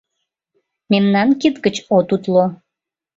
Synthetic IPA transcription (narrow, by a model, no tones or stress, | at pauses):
memnɑnkit̪ɡət͡ɕot̪ut̪lo